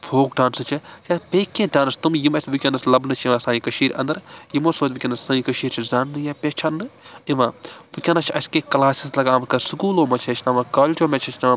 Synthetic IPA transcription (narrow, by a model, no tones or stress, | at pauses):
fʰoːkɖaːnsɨt͡ʃʰijapʲeːkʲːẽːɖaːnst̪umjimɐstʋikʲɐnɐslɐbnɨt͡ʃʰiʋãːsaːjĩkɐʃiːɾʲɐ̰nd̪ɐɾjimoːsoːt̪ʲʋikʲɐnɐssãːĩkɐʃiːɾt͡ʃʰizaːnːɨjaːpʲeːt͡ʃʰaːnːɨiʋãːʋɨkʲɐnɐt͡ʃʰɐskeːkɐlaːsislɐɡaːmkɐsɨkuːloːmɐt͡ʃʰɐt͡ʃʰnaːʋãːkaːlʲt͡ʃʲoːmet͡ʃʰɐt͡ʃʰna